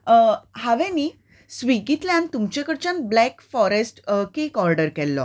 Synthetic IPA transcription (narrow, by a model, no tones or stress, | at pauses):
haʋɛ̃niː | sʋikit̪ljãnt̪umt͡ɕekəɽt͡ɕanblɛkfɔɾesʈkekɔɾɖəɾkɛlːɔ̰